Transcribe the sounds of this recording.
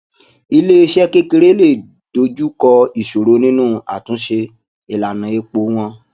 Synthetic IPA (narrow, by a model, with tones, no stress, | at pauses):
i˧le˦i˧ʃɛ˦ke˦ke˧ɾe˦le˦˨ | do˧˦d͡ʒu˦kɔ˧i˦˨ʃo˨ɾo˨˦nĩ˦nũ˦˨a̰˨tũ˨˦ʃe˧ | e˨la˨nã˨e˨˦k͡po˨˦w̃ɔ̃˧˦